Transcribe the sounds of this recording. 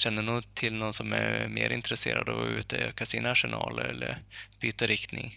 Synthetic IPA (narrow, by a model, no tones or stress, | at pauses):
ɕɛnːəɳuːɡt̪ʰɪlnɔnːsɔmæɾmeːɾʔɪnt̪ɾɛseːɾad̪ʉ̟ːt̪əøːkasiːnaʂɛnɑːləɾɛlːəɾb̥yːt̪əɾɪkt̪nɪŋ